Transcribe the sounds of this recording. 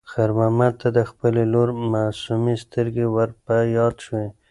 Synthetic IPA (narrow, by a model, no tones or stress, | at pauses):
xaɾmamat̪ːad̪əxpəleloɾmasumist̪əɾɡewəɾpajɑd̪ʃwe